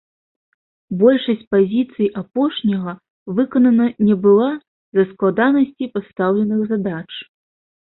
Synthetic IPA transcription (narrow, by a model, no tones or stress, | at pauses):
bɔlʲʂɐsʲt͡sʲpazʲit̪sɨjiʔapɔʂnʲɐɣɐ | vɨkɐnɐnɐnʲɛbɨlˠa | zɐsklˠad̪anɐsʲt͡sʲipast̪awlʲɛnɨɣzad̪at͡ʂ